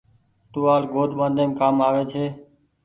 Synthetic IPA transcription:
t̪uːaːlɡoːd̪ɓãːnd̪ʱẽːmkaːmaːʋeːt͡ʃʰeː

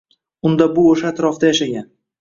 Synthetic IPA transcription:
ʊnd̪abʊoʃaːt̪ɾɒfd̪ajaʃaɡʲan

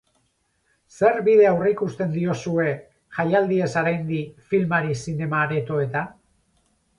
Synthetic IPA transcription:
se̞ɾβið̞e̞awreikust̪e̞nd̪io̞sue̞ | ʝajald̪ie̞saɾajnd̪ifilmaɾisine̞maɾe̞t̪o̞e̞t̪a

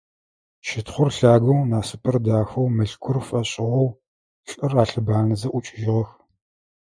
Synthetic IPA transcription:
ʃɪtχʷʊrɬaːɡɐwnaːsɨpʰɐrdaːxɐwmɨɬkʷʰʊrfʼɐɕʼɪʁɔw | ɬʼɨraːɬɨbaːnɐzɐʔʷʊt͡ʃʼɪʒɪʁɐx

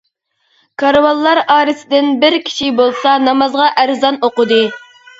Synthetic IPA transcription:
kʰɑɾwɑlˠːɑɾɑːɾɨsɪd̪ɪnbɪɾkʲʰi̥ʃibolˠsɑnɑmɑzʁɑʔæɾzɑnoqʊd̪ɨ

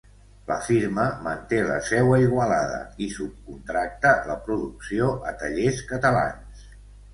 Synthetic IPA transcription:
ləfiɾməmənt̪elə̰sɛwəiɣwəlaðə̰isup̚kunt̪ɾak̚t̪ələpɾuðuksioʔət̪əʎeskət̪əla̰ns

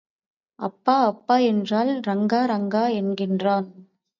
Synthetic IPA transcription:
ɐpːaːɐpːaːɛndraːlɾɐŋɡaːɾɐŋɡaːɛnɡɪndraːn

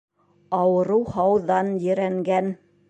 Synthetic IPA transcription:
ɑwɤ̆ɾɤwhɑwðɑnjɘ̆ɾæŋɡæn

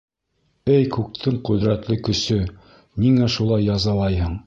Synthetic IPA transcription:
ɘjkʉk̚t̪ʰɘɴqɵ̆ðɾæt̪lɘkɵ̆sɵ | niŋæʃulˠɑjːɑzɑlˠɑjɦɤɴ

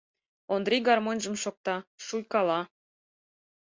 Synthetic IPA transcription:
ond̪ɾiɡɑrmonʲʒə̆mʃok̚t̪ɑʃujkɑlɑ

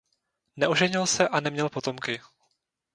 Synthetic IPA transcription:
nɛʔoʒɛɲɪlsɛʔanɛmɲɛlpo̞t̪o̞mkɪ

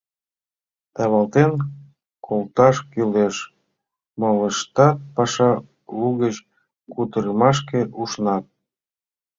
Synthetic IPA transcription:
t̪ɑβɑlt̪en | kʰolt̪ɑʃkyleʃ | mɑləʃt̪ɑt̪̚pɑʃɑ | luɣət͡ɕ | kut̪əɾəmɑʃ̬keʔuʃnɑt̪̚

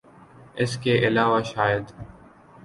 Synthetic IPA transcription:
ɪskeːʔɪlaːʋaːʃaːjəd̪

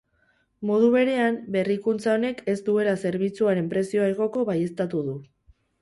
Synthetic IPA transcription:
mo̞ð̞uβ̞e̞ɾe̞ambe̞rikunt͡sao̞ne̞ke̞st̪ue̞lase̞ɾβ̞it͡suaɾe̞mpɾe̞sio̞aeɣo̞ko̞βaje̞st̪at̪uðu

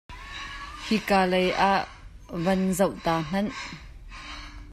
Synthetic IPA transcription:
hikaːlejʔaʔ | vɐnzəwʔt̪aːŋ̥ɐn

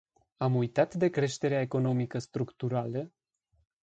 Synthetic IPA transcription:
amujt̪at̪d̪e̞kɾe̞ʃt̪e̞ɾeaeko̞no̞mikəst̪ɾukt̪uɾalə

